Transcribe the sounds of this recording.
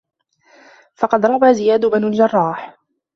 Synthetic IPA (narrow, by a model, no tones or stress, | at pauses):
fɑqɑd̪ɾˤɑbaːzɪjaːd̪ʊbanald͡ʒɑrˤːɑːħ